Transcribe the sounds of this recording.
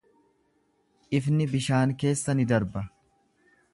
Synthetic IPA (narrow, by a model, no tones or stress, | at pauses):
ʔɪfnɪbɪʃaːŋke̞ːsːɐnɪd̪ɐɾbɐ